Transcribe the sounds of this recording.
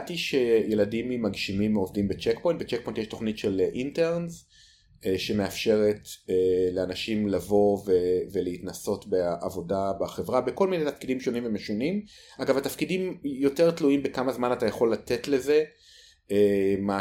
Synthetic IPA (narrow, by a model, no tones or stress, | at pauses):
tiʃe̞je̞ladimimːaɡʃimimovdimbet͡ʃekpo̞jntbet͡ʃek̚po̞jntjeʃto̞χnitʃelʔinteʁnz | ʃe̞me̞afʃe̞ʁeteleanaʃimlavo̞veveleitnaso̞tbeʔavo̞dabaχevʁabeko̞lminejtafkidimʃo̞nimvemeʃonim | aɡavatafkidimjo̞te̞ʁtluimbekamazmanatajaχo̞lːatetle̞ze | ema